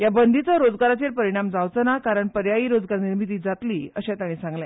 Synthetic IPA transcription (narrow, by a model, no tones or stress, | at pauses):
jabənd̪ʱit͡səɾod͡zɡaɾat͡ɕeɾpəɾiɽ̃amd͡zaʋt͡sənakaɾəɳpəɾjajiːɾod͡zɡaɾniɾmit̪̬iːd͡zat̪liːəɕãt̪aɽ̃ĩsãŋɡlã